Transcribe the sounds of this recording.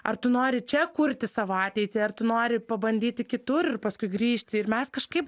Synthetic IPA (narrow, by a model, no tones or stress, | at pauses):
ɐ̰rt̪ʊnoːɾʲɪt͡ʃʲɛkʊɾʲt̪ʲɪsɑːʋoɑːt̪ʲɛɪt̪ʲiːɐrt̪ʊnoːɾʲɪpɐbɐnʲd̪ʲiːt̪ʲɪkʲɪt̪ʊɾɪrpɐskʊɪɡɾʲiːʃʲt̪ʲɪɪrmʲɛskɐʃkɐɪp